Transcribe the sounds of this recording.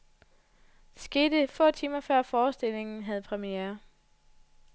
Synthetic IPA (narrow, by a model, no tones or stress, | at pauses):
sɡ̥e̝ːd̥əfɔ̰̽ːt͡sʰiːmɐfɶɐ̰fɒːsd̥e̝l̰e̝ŋn̩ɦæð̞̩ˠpʰʁɛmieɐ